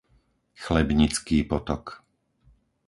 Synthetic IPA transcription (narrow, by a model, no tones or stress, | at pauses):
xlɛbɲit͡skiːpɔt̪ɔk